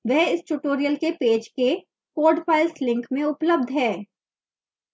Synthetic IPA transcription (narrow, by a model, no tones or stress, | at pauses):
ʋɛɦɪsʈuʈoːɾijəlkepeːd͡ʒke | koːɖpaːɪlslɪ̃ŋkmẽʊpləb̚d̪ʱɦɛː